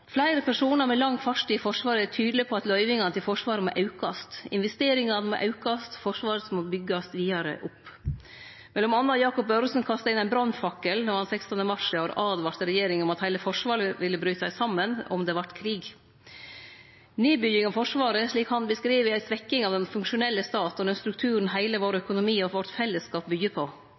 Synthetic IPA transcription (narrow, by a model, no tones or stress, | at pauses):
flæɪɾəpʰæʂuːnɑɾmɛlɑŋːfɑʂʈɪəfɔʂʋɑːɾəæʈʰyːd̪lɪpʰɔɑt̪lœʏʋɪŋɑnət̪ɪlfɔʂʋɑːɾəmoʔɑʉkɑst̪ɪ̰nʋɛst̪eːɾɪŋɑnmo̰ʔɑʉkɑst̪fɔʂʋɑːɾəsmobʏɡɑst̪ʋiːɑɾə̰ʔʊpː | mɛlːɔmɑnːɑjɑːkʊp̚bɑɾsənkʰɑst̪ɑɪnæɪnbɾɑnfɑkəlnɔɾhɑnsɛkst̪ɔnəmɑʂɑɾɑːd̪ʋɑɾt̪əɾɛjeːɾɪŋɔmɑt̪hæɪləfɔʂʋɑːɾəʋɪlːəbɾyːsæɪsɑmːənɔ̰md̪ɛʋɑʈkʰɾiːɡ | neːbʏjɪŋɑʋfɔʂʋɑːɾəʂɭiːkhɑnbəskɾiːʋəæɪsʋɛkːɪŋɑʋd̪ɛnfʉŋkʂʊnɛlːəst̪ɑːt̪ɔd̪ɛnst̪ɾʉk̚t̪ʰʉːɾən̩ɦæɪləʋoːɾəœkʊnʊmiːɔʋɔɾʈ̪fɛlːəskɑːp̚bʏɡəpʰɔ